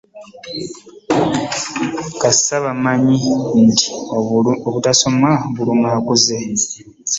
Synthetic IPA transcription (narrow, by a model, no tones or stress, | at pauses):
kasaβamaɲinti̥ | oβutaso̞maβulumakuze